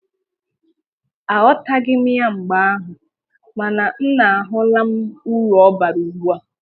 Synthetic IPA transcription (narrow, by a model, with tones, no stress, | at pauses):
a˨ɔ˦ta˦ɡɪ˦m˦a˦ŋ͡m̩˨ɡ͡ba˨˦a˦ɦʊ˨ | ma˨na˨n̩˦na˨a˨ɦʊ˦la˦m̩˦u˦ɾɔ˦ba˨ɾu˨ɡ͡bu˦a˦